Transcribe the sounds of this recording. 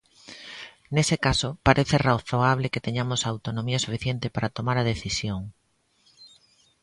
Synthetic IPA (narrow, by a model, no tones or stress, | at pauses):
nesekasopaɾʔeθeraθoaβ̞leket̪eɲamosawt̪onõmiasufiθjent̪epaɾat̪omaɾað̞eθisjoŋ